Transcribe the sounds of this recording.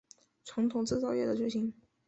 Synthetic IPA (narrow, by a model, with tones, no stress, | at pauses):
ʈ͡ʂʰɑ˧˥ŋt̪ʰʊ˨˩ŋt͡sɹ̩˥˧t͡sɑ˥˧ʊjɛ˥˩d̪ə˩ʈ͡ʂɥɛ˧˥ɕi˧˥ŋ